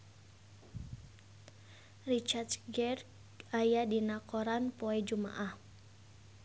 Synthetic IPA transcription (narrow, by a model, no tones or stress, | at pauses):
rit͡ʃarsɡɛr | ajadinakoɾanpoɛd͡ʒuma̰ʔah